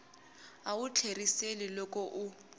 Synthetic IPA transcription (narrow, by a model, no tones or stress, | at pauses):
aut͡ɬʰeriselilɔkʼɔʔu